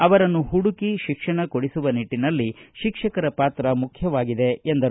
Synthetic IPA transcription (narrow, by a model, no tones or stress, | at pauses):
ɐʋɐɾɐnːuɦuɽukiʃikʂɐɳɐkoɽisuʋɐniʈːinɐlːiʃikʂɐkɐɾɐpaːt̪ɾɐmukʰjɐʋaːɡid̪e̞end̪ɐ